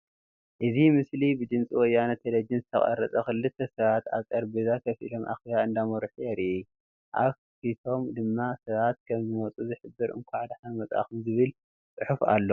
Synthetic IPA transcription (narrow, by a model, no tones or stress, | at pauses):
ʔɨzimɨslibɨd̪ɨnt͡sʼiwɔjːanɐt̪ʰelɐd͡ʒɨnzɨt̪ʰɐ̰χʼɐ̰ɾɐt͡sʼɐxɨlːɨt̪ʰːɐsɐβat̪a̰βkʼɐɾbezak̪ʰɐfḭlo̞mʔa̰xiβaɨnd̪amɐɾħujɛɾiʔi | ʔaβ | fit̪ʰo̞md̪ɨmːasɐβat̪̚kʰɐmzɨmɐt͡sʼuzɨħɨbːɨɾʔɨ̰ŋkʷʰaʕad̪ħanmɐt͡sʼa̰xɨmzɨβɨl | t͡sʼɨħufa̰lːo